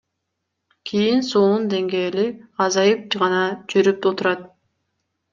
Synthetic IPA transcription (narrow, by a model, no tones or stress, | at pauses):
kʰʲijinsoːnund̪e̞ŋɡeːliɑzɑjɯp̚t͡ʃʁɑnɑd͡ʒyɾyp̪̚ot̪uɾɑt̪̚